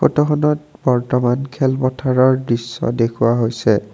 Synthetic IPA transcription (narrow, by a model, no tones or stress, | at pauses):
xotɔxɔnɔt̚bɔɹtɔmankʰɛlpɔtʰaɹɔɹdɹisːɔ̰dekʰuwaɦojsɛ